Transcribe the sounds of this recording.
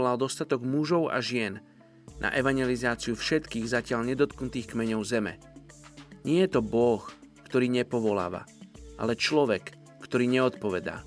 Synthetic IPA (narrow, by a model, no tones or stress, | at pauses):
lald̪ɔst̪at̪ɔɡmuʒɔʊa̰ʒɪɛnː | ʔa̰ʔɛʋaɲjɛlizaːt͡siufʃɛt̪kiːɣzacɪaʎɲɛd̪ɔt̪knut̪iːxkmɛɲɔʊzɛmɛ̰ | ɲɪɛjɛt̪ɔbɔx | kt̪ɔɾiːɲɛpɔʋɔla̰ːʋa̰ʔa̰lɛt͡ʃlɔʋɛkː | t̪ɔɾiːɲɛɔt̪pɔʋɛd̪a̰ː